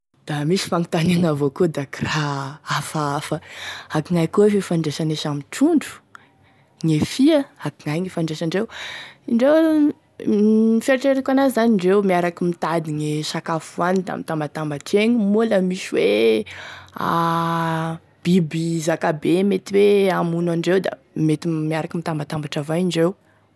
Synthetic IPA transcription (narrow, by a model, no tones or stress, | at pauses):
d̪̥amisi̥faŋit̪aniaŋavokud̪akiraafaafəakiŋajkuefefaɳɖ͡ʐeʃaneʃamiʈ͡ʂuɳɖ͡ʐu̥ | ŋefiəakiŋajŋefaɳɖ͡ʐeʃaɳɖ͡ʐewiɳɖ͡ʐew | feɾʈ͡ʂeɾekʲanazaniɳɖ͡ʐewmiaɾakimit̪ad̪iŋesakafuanid̪a̰mit̪ambat̪ambaʈ͡ʂeɲimuləmiʃwe | a̰ | b̥ibizakabemet̪iweamunaɳɖ͡ʐewd̪a̰ | met̪imiaɾakimit̪ambat̪ambaʈ͡ʂavaiɳɖ͡ʐew